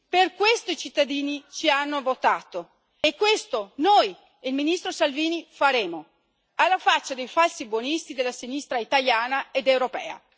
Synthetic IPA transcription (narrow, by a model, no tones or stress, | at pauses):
perkwest̪oit͡ʃit̪ːad̪iːnit͡ʃianːovot̪aːt̪o | ekːwest̪onoj | elminist̪ɾosalviːnifaɾeːmo | alːafat͡ʃːad̪ejfalsibwonist̪id̪elːasinist̪ɾait̪aljaːnaed̪ewɾopɛ̰ːa̰